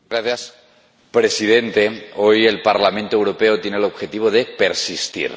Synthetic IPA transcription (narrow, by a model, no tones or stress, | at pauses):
ɡɾaθjas | pɾe̞sið̞e̞nt̪e̞o̞je̞lpaɾlamẽ̞nt̪owɾo̞pe̞ot̪je̞nelo̞βxe̞t̪iβ̞o̞ðe̞pe̞ɾsist̪ḭɾ